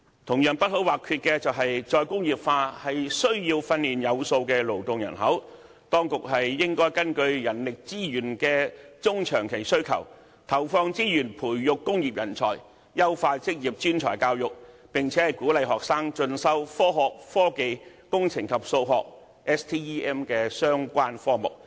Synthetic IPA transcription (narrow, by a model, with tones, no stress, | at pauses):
t̪ʰʊ˨˩ŋjɐ˨˩npɐ˥t̚ɦo˨˥waː˨kʰyː˧t̚kɛː˧t͡sɐ˨wɦɐ˨jt͡sɔː˧jkʊ˥ŋjiː˨p̚faː˧hɐ˨jsɵ˥ɥjiː˧wfɐ˧nliː˨njɐ˨˧wso˧wkɛː˧lo˨˩wt̪ʊ˨ŋjɐ̰˨˩nɦɐ˨˥w | t̪ɔː˥ŋkʊ˨k̚hɐ˨jːɪ˥ŋkɔː˥jkɐ˥nkɵ˧ɥjɐ˨˩nlɪ˨k̚t͡siː˥jyː˨˩nkɛː˧t͡sʊ˥ŋt͡ʃʰœː˨˩ŋkʰe˨˩jsɵ˥ɥkʰɐ̰˨˩w | t̪ʰɐ˨˩wfɔː˧ŋt͡siː˥jyː˨˩npʰuː˨˩jːʊ˨kːʊ˥ŋjiː˨p̚jɐ˨˩nt͡sʰɔː˨˩j | jɐ˥wfaː˧t͡sɪ˥k̚jiː˨p̚t͡ʃyː˥nt͡ʃʰɔ̰ː˨˩jkaː˧wjʊ˨k̚pɪ˨ŋt͡sʰɛː˨˥hɐ˨jkuː˨˥lɐ˨jɦɔː˨k̚saː˥ŋt͡ʃɵ˧nsɐ˥wfɔː˥ɦɔː˨k̚fɔː˥ke˨jkʊ˥ŋt͡sʰɪ˨˩ŋkʰɐ˨p̚so˧wɦɔː˨k̚ | ʔɛː˥st̪ʰiː˥iː˥ɛː˥mkɛː˧sœː˥ŋkʷaː˥nfɔː˥mʊ̰˨˩k̚